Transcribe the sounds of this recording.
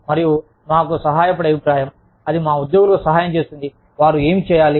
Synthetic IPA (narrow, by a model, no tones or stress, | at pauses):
mɐɾiju | maːkusɐɦaːjɐpɐɽɐbʱipɾaːjɐm | ɐd̪imaːud̪jo̞ːɡulɐkosɐɦaːjɐmt͡ʃe̞ːst̪und̪i | ʋaːɾue̞ːmit͡ʃɛːjaːli